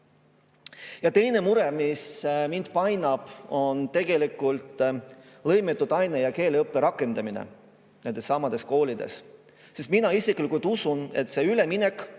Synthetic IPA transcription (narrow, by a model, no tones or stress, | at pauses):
jɑt̪e̞jne̞muɾemismind̪̥pɑjnɑb̥o̞nt̪e̞ɡ̥e̞likːˑult̪ | lɤ̞jmet̪ːˑud̪̥ɑjnejɑke̞ːleɤpːˑeɾɑkːˑe̞nd̪ɑminḛ | ne̞nd̪̥esːɑmːɑd̪̥e̞sko̞ːlid̪̥e̞̰s | sest̪minɑisiklikult̪ːˑusune̞t̪se̞yle̞minek